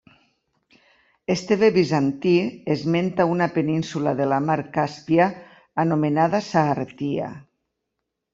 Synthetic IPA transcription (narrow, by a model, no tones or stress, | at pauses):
est̪eβeβizant̪iezment̪aunapeninsulaðelamaɾkaspiaː | nomenaðasaːret̪ia̰